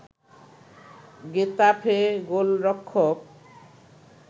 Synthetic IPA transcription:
ɡet̪apʰeɡolɾɔkʰːok

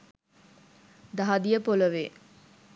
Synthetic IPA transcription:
d̪aɦad̪ijəpoləʋe

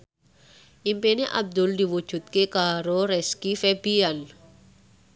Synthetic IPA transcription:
ʔimpeneʔa̰b̚d̪ʊldi̤wu̥ʒ̥ṳt̪̚kekaɾoɾɛskifɛb̥ian

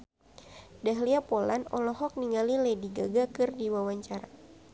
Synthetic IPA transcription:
daɦliapolanɔlɔɦɔk̚niŋalilediɡaɡakɨrdiwawaɲt͡ʃaɾa

